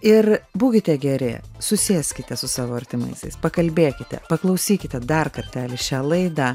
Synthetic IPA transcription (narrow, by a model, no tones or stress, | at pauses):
ɪrbuːkʲɪt̪ʲɛɡʲɛɾʲɪ̰sʊsʲeːsʲkʲɪt̪ʲɛsʊsɑːʋoːɐɾʲt̪ʲɪmɐ̰ɪsʲɛɪspɐkɐlʲbʲeːkʲɪt̪ʲɛ̰pɐklˠɐʊsʲiːkʲɪt̪ʲɛd̪ɐrkɐt̪ʲæːlʲɪʃʲæːlˠɐɪd̪ɑː